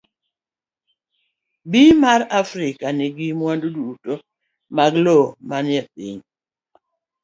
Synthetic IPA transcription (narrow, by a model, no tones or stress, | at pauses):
bimaɾafɾɪkanɪɡimwandoduduto | maɡlomanjɛp̚ḭɲ